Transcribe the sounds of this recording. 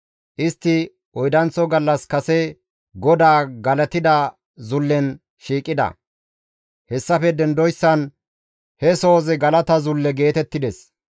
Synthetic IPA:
ʔɪst̪ːɪ | ɔjd̪ɐnt͡sːɔɡɐlːɐskɐsɛ | ɡɔd̪aːɡɐlɐt̪ɪd̪ɐ | zʊlːɛn | ʃiːkʼːɪd̪ɐ̰ | hɛsːɐfɛd̪ɛnd̪ɔjsːɐn | hɛso̞ːzɛɡɐlɐt̪ɐzʊlːɛɡe̞ːt̪ɛt̪ːɪd̪ɛs

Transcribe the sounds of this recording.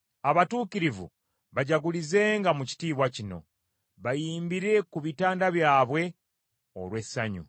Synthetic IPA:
aβatuːkiɾivṵ | βaɟaɡulize̞ːŋɡamuci̥tiːβwacino̞̰ | βajiːmbiɾe̞kuβitaːndaβjaːβwe̞ | o̰lwe̞sːaɲṵ

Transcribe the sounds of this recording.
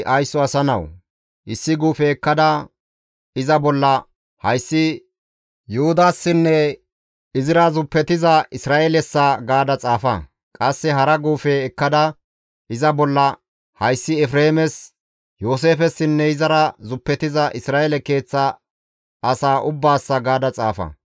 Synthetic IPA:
ʔɐjsːɔɐsɐnɐ̰w | ʔɪsːɪɡuːfɛːkːɐd̪ɐ | ɪzɐbɔlːɐ | hɐjsːɪ | jʊhʊd̪aːsːɪnːɛ | ɪzɪɾɐzʊpːɛt̪ɪzɐʔɪsɾaːʔɛlɛsːaɡaːd̪ɐt͡sʼaːfɐ̰ | kʼɐsːɛɦɐɾɐɡuːfɛːkːɐd̪ɐ | ɪzɐbɔlːɐ | hɐjsːɪɛfɾeːmɛs | joːs̬e̞ːfɛsːɪnːɛɪzɐɾɐzʊpːɛt̪ɪzɐʔɪsɾaːɛlɛke̞ːt͡sːɐ | ɐsaːʔʊbːaːsːɐɡaːd̪ɐt͡sʼaːfɐ̰

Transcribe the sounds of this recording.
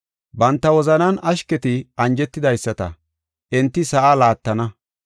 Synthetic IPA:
bɐnt̪ːɐwɔzɐnɐnʔɐʃkɛt̪ɪɐnd͡ʒɛt̪ːɪd̪ɐjsːɐt̪ɐ̰ | ʔɛnt̪ːɪsɐʔalaːt̪ːɐnɐ

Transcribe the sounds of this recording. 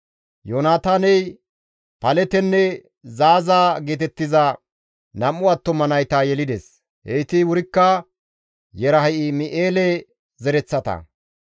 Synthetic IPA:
joːnaːt̪aːnɛj | pɐlɛt̪ɛnːɛ | zaːzaːɡeːt̪ɛt̪ːɪzɐ | nɐmːʊɐt̪ːɔmɐnɐjt̪ɐjɛlɪd̪ɛs | hejt̪ɪwʊɾɪkːɐ | jɛɾɐɦɐɪmɪʔeːlɛ | zɛɾɛt͡sːɐt̪ɐ̰

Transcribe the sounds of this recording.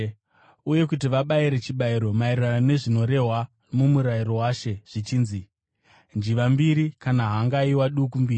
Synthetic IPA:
uje̞kutiʋaɓaiɾe̞t͡ʃiɓaiɾo̞mairranane̞ʐino̞ɾe̞ɦwa | mumuɾairo̞waːʃe̞ʐ̥it͡ʃiːnzi | nd͡ʒiʋambiɾikanaɦaŋɡaiwaɗukumbiːri

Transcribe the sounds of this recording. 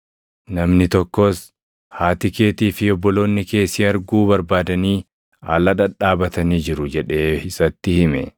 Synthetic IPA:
nɐmnɪt̪ɔkːoːs | haːt̪ɪke̞ːt̪iːfɪɔbːɔlo̞ːnːɪke̞ːsiɐɾɡuːbɐɾbaːd̪ɐniː | a̰ːlɐᶑɐᶑaːbɐt̪ɐniːd͡ʒɪɾʊd͡ʒɛᶑe̞ːɪsɐt̪ːɪhɪmɛ̰

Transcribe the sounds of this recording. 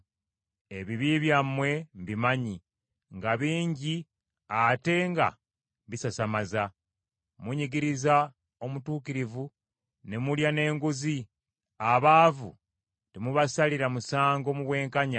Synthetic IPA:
e̞βiβiβjamːwe̞mbimaɲi | ŋɡaβiːɲɟi | ate̞ŋɡa̰ | βisasamaza | muɲiɡiɾiza | o̞mutuːkiɾivu | nemuljane̞ːŋɡuzi | aβaːvu | temuβasaliɾamusaːŋɡo̞muβwe̞ːŋkaɲa

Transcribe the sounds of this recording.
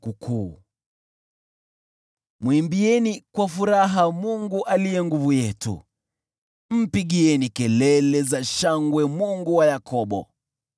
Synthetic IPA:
kukʰuː | mwimbiɛnikwafuɾaɦamuŋɡuʔalijɛŋɡuvujɛtṵ | m̩piɠiɛnikɛlɛlɛzaʃaŋɡwɛmuŋɡuwajakɔɓɔ̰

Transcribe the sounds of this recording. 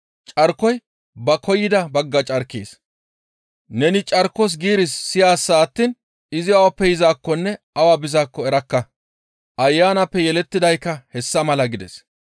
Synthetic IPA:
t͡ʃʼɐɾkːɔj | bɐkʰɔjːɪd̪ɐbɐɡːɐt͡ʃʼɐɾkːḛːs | nɛnɪt͡ʃʼɐɾkɔs̬ɡiːɾɪsːɪjaːsːaːt̪ːiːn | ɪzɪɐwɐpːɛjɪzaːkːɔnːɛ | ɐwaːbɪzaːkːɔɛɾɐkːɐ | ʔɐjːaːnɐpːɛjɛlɛt̪ːɪd̪ɐjkːɐhɛsːɐmɐlɐɡɪd̪ɛs

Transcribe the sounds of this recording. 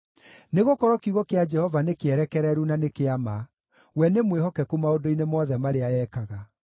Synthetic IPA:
neɣokɔɾɔkiɣɔkead͡ʒɛhɔvanekeɛɾɛkɛɾɛɾunanekeama | wɛnemweɦɔkɛkumaodoinemɔðɛmaɾeaɛːkaɣa

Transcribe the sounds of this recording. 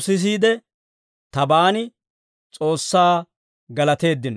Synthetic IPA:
sɪs̬iːd̪ɛ | t̪ɐbaːnɪ | t͡sʼo̞ːsːaː | ɡɐlɐt̪e̞ːd̪ːɪnɔ

